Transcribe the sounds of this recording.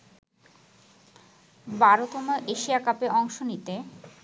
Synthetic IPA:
baɾot̪omoʔeʃiakapeʔɔŋʃonit̪e

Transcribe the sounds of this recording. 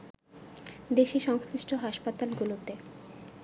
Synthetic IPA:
d̪eʃiʃɔŋsliʃʈʰoɦaʃpat̪alɡulot̪e

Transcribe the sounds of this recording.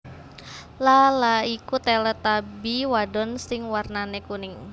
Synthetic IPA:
lalaikut̪ɛlət̪abiwadɔnsɪŋwarnanekunɪŋ

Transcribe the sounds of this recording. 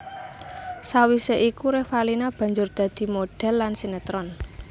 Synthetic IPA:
sawiseʔikuɾewalinab̥ä̤ɲd͡ʒʊrd̪̥ä̤d̪̥i̤moɖ̥ɛ̤lːansinət̪ɾɔn

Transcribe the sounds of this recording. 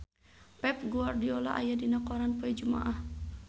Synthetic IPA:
pɛp̚ɡuardiɔla̰ʔajadinakɔɾanpɔɛd͡ʒuma̰ʔah

